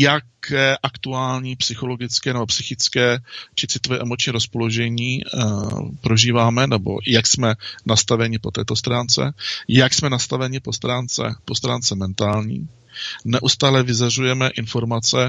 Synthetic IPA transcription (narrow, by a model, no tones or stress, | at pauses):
jakʰɛːʔakt̪uaːlɲiːpsɪxo̞lo̞ɡɪt͡skɛːnɛbo̞psɪxɪt͡skɛːt͡ʃɪt͡sɪt̪ovɛːʔɛmot͡ʃɲiːɾospo̞loʒɛɲiː | pɾo̞ʒiːvaːmɛnɛbo̞̰jaksmɛnast̪avɛɲɪpo̞t̪ɛːt̪o̞st̪ɾaːnt͡sɛ̰jaksmɛnast̪avɛɲɪpo̞st̪ɾaːnt͡sɛ̰po̞st̪ɾaːnt͡sɛmɛnt̪aːlɲḭː | nɛʔust̪aːlɛvɪzarujɛmɛʔɪnfo̞ɾmat͡sɛ